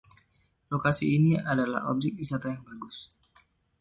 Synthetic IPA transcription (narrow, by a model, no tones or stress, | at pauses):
lokasiːniadala̰hob̚d͡ʒɪk̚wisat̪ajaŋbaɡʊs